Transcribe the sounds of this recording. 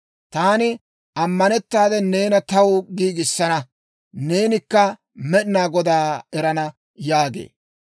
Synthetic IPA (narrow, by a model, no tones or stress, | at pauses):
t̪aːnɪ | ʔɐmːɐnɛt̪ːaːd̪ɛne̞ːnɐt̪ɐwɡiːɡɪsːɐnɐ | ne̞ːnɪkːɐ | mɛɗɪnaːɡɔd̪aːɛɾɐnɐ | jaːɡḛː